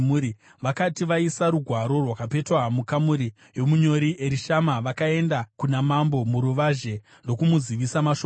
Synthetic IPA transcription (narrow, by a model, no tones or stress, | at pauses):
uɾi | ʋakatiʋaisaɾuɡʱwaɾo̞rwakape̞twamukamuɾi | jo̞muɲo̞ɾiʔe̞ɾiʃamaʋakae̞ndakunamambo̞muɾuʋaʒe̞ | ndo̞kumuziʋisamaʃo